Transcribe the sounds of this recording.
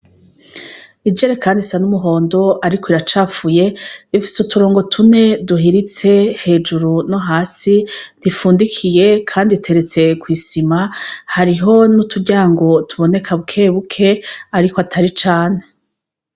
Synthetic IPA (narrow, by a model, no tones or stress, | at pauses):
id͡ʒe̞ɾekʰaːndisanumuɦo̞ːndo̞ʔaɾikʰwiɾat͡ʃaːfuje̞βifi̥sutʰuɾo̞ːŋɡo̞tʰune̞duɦiɾit͡se̞he̞ːd͡ʒuɾunoɦaːsinifuːndikʰije̞kʰaːnditʰe̞ɾet͡se̞kwiːsimahaɾiɦo̞nutʰubɟaːŋɡo̞tʰuβo̞ne̞kʰaβukʰe̞ːβukʰe̞aɾikoatʰaɾit͡ʃaːne̞